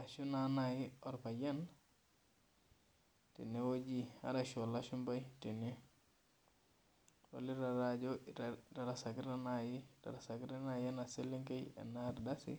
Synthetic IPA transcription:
a˨ʃu˦nanaji˦o˨ɾpa˨je˦n | tḭ˨newo˦d͡ʒi˦a̰ɾaʃo˨laʃu˦mba˦jti˨ni˦ | wo̰li˦ɾa˨ɾad͡ʒo˦ɾda˨ɾasaɡi˦ɾanaji˦da̰˨ɾa˨sa˨ɡi˦ɾa˦naje˦nase˦li˦ŋke˦jḛ˨na˦ɾda˦sḭ˦

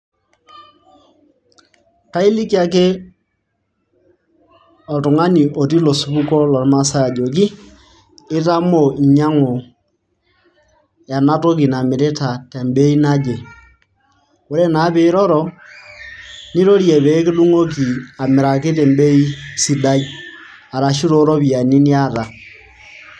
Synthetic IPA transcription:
ka˦i˦li˦ki˦a˨k̬e˦ | ɔ˨tʊ˨ŋa˦ni˨ʔɔ˨ti˦lo˨su˦bu˦kɔ˦lɔ˨ɾma˦sa˦ja˨d͡ʒo˨k̬i˦ | ɪ˦ta˦mo˨ɲa˦ŋo˨ | ja˨na˦to˦ki˨na˨mɪ˨ɾe˦ta˨te˨mbe˦i˦na˦d͡ʒe˨ | o˦ɾe˦na˨˦be˦i˦ɾɔ˦ɾɔ˨ | ni˦ɾo˦ɾje˨bɛ˨˦kɪ˦lu˦ŋo˦ki˨a˨mɪ˨ɾa˨ke˦te˨mbe˦i˦si˨da˦j | a˨ɾa˨ʃi˦ɾo˦ɾɔ˦bi˨a˨ni˦ni˦a˦ta˨

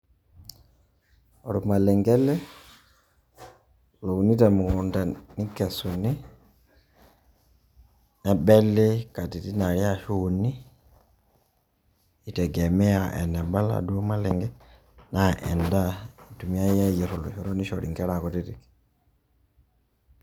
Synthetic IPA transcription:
ɔ˨ɾɔ˨ma˨lɛ˨ŋɡɛ˦lɛ˦ | lo˨u˨ni˦ta˨mu˨kɔ˨nda˨ni˦kɛ˨su˨ni˦ | nɛ˨bɛ˦le˦ka˨ti˨ti˦na˨ɾja˦ʃu˦ni˦˨ | tɛ˨ɡɛ˨mɛ˦a˨ʔɛ̰˨nɛ˨ba˦la̰˨du˦ɔ˦ma˦lɛ˨ŋɡɛ˦ | na˦ʔɛ̰˨nda˦i˨tu˨mi˦a˦jɛ˦ji˨ɾɔ˨lɔ̰˨ʃɔ˨ɾɔ˦ni˦ʃɔ˨ɾi˨ŋɡɛ˦ɾa˨kɔ˨ti˦ɾi˨k

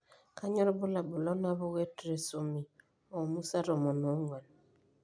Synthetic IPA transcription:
ka˦ɲɔ˦ɾbʊ˦la˨bʊ˨lɔ˦na˦βɔ˦ɣe˦tɾe˨so˨mi˨ | ɔ˨mu˦sa˦ɾɔ˨mɔ˨nɔ˨˦ŋwa˨l

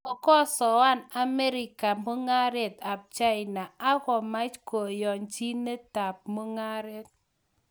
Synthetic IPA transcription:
ɔ˨kɔ˦sɔ˨wa˦na˨me˦ɾɪ˨ka˨mo˦ŋa˦ɾɛ˨t̪a˨p̚t͡ʃa˦jna˨a˦ɣɔ˨ma˦t͡ʃko˨jɔ˨nt͡ʃi˦ne˦ta˨p̚mo˦ŋa˦ɾɛ˦t̚

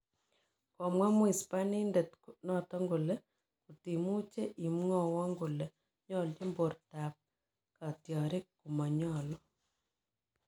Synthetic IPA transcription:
kɔ˨mwɛ˦mwi˨spa˦ni˦ndɛ˨tku˨nɔ˦tɔ˦ŋɡu˨le˦ | kuti˨mu˦t͡ʃe˦ʔi˨mŋɔ˨wɔ˦ŋɡu˨le˨ | ɲɔ˦˨ld͡ʒe˦mbo˨rta˨p̚ | ka˨tjɔ˨ɾe˦ku˨ma˨ɲɔ˨lɔ˦

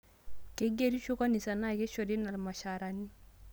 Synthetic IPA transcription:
ke˦ɡe˦ɾi˦ʃu˦ka˦ni˨sa˨na˦˨ke˦ʃo˨di˦na˨lma˨ʃa˨ɾa˨ni˦

